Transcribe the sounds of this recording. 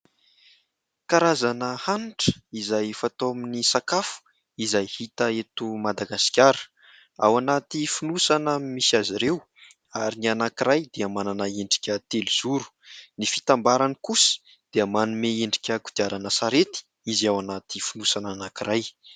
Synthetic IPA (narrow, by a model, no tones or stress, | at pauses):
kaɾazanəhanʈ͡ʂə̥izajfat̪ominisakafu̥ | izajhit̪əet̪umad̪aɡasi̥kʲaɾ̥ | a̰wanat̪ifunusanəmisiaziɾew | aɾinianakiɾajd̪eamananaeɳɖ͡ʐi̥kʲət̪elz̥uɾu̥nifi̥t̪ambaɾanikusə̥ | d̪̥eəmanumeeɳɖ͡ʐi̥kʲəku̥d̪̥iaɾanasaɾet̪i̥ | iziawanat̪ifunusananakiɾaj